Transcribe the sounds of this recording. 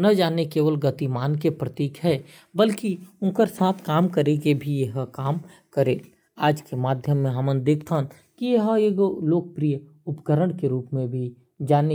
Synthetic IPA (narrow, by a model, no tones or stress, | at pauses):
nɐd͡ʒaːnekeːʋəlɡət̪imaːnkepɾət̪iːkɦɛː | bəlkiʊ̃nkəɾsaːt̪ʰkaːmkəɾeɡebʱijeɦəkaːmkəɾeː | aːd͡ʒkemaːd̪ʱjəmːẽɦɐmə̃nd̪eːkʰt̪aɦ | kijeɦəeɡoloːk̚pɾijə | ʊpɡəɾəɽ̃keɾuːpmẽbʱi | d͡ʒaːne